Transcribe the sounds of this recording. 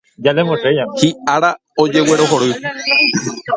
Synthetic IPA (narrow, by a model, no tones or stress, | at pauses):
d͡ʒalemõsejahiaɾa | od͡ʒeweɾoɦoɾɨ